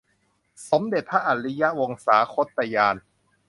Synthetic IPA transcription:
so˩˦mde˨˩t̪̚pʰa˦˥ʔa˨˩t̪li˦˥ja˦˥wo˧ŋsaː˩˦kʰo˦˥t̪ːa˧jaː˧n

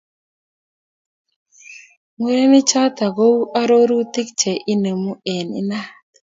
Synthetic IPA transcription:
ŋwe˨˦ɾe˦nɪ˦t͡ʃa˦t̪a˨ɡo˦ʔa˦ɾo˦ɾu˦t̪ɪ˦k̚t͡ʃɛ˨ʔi˦ne˨mu˦e˨nɪ̰˦na˦t

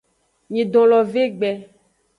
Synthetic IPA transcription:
ɲẽ˨d̪ɔ̃˨lɔ˨ve˦ɡ͡bɛ˨

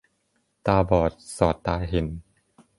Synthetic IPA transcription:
t̪aː˧bɔː˨˩t̪̚sɔː˨˩t̪ːaː˧jɦe˨˩˦n

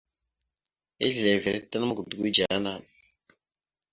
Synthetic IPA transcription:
e˦ɮi˨le˨ve˨ɾḛ˦ta˦na˦ma˦ku˨du˨ɡi˦d͡ʒa˨a˦na˦˨

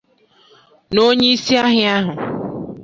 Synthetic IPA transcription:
no˦ɲe˦i˦si˦a˦ɦɪ˦a˦ɦʊ˨

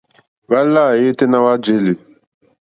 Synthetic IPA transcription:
ba˦la˦˨je˦te˦na˦wa˦d͡ʒe˦le˨

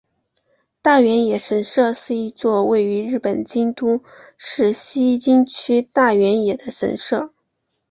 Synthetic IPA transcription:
t̪a˥˩ɥɛ˧˥njɛ˨˩ʂə˧˥nʂɤ˥˧ʂɻ̩˥˧i˥˧t͡swɔ˥˧we˥˩ɪy˧˥ɻɻ̩˥˩pə˨˩nt͡ɕi˥ŋt̪u˥ʂɻ̩˥˩ɕi˥˧t͡ɕi˥ŋt͡ɕʰy˥t̪a˥˩ɥɛ˧˥njɛ˨˩d̪ə˦ʂə̰˧˥nʂɤ˥˩

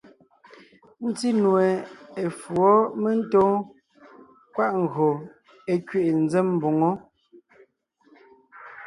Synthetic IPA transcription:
n̩˦ti˦nwɛ˨e˨fwɔ˦me˦n̩˦tɔ˦ | kwa˦ʔŋ̩˨ɣo˨ | e˨kɥe˦˨ʔn̩˦d͡zɛ˦mm̩˦bo˨ŋɔ˦

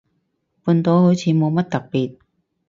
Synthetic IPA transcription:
puː˧nt̪o˨˧who˨˥wt͡sʰiː˨˧˥mo˨˧wmɐ˥t̚t̪ɐ˨k̚piː˨t̚

